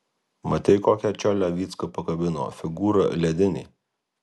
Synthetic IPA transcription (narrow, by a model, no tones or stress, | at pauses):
mɐt̪ʲɛɪkoːkʲɛt͡ʃʲɔlʲæʋʲiːt̪skɐpɐkɐbʲɪno̰ːfʲɪɡuːɾɐ̰lʲɛd̪ʲɪnʲḛː